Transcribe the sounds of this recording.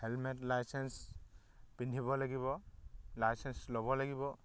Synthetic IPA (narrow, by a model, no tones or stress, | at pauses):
helmeʈlajsens | pinɖʱibɔlaɡibɔlajsenslɔbɔlaɡibɔ